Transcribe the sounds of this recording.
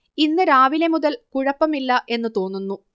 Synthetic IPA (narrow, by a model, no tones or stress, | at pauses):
inːɨɾaːʋilemuðɐlkuɻɐpːɐmilːɐʔe̞nːɨt̪o̞ːnːunːu